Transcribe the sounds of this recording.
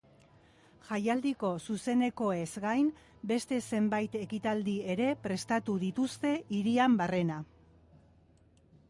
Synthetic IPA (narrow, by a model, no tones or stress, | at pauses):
ʝajald̪iko̞suse̞ne̞ko̞e̞zɡajnbe̞st̪e̞se̞mbajt̪e̞kit̪ald̪ie̞ɾe̞pɾe̞st̪at̪uðit̪ust̪e̞ʔiɾiambare̞na